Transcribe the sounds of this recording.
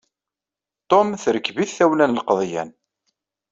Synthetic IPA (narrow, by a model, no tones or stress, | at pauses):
t̪omθɾəkːviθːæwlænlqðˤjæ̰n